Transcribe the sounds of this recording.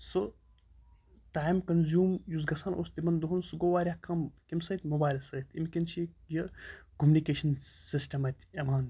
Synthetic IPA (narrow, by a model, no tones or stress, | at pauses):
sɨ | taːimkɐnzʲjuːmjuzɡɐsaːnʔo̰ːst̪ibɐnd̪uɦunsuɡoːʋaːɾʲakɐmkʲimsɐt̪ʲmobaːjlsɐːt̪ʰimkʲint͡ʃʰijəkumunikeːʃɐnsisʈɐmɐt̪ʲʰɐmaːn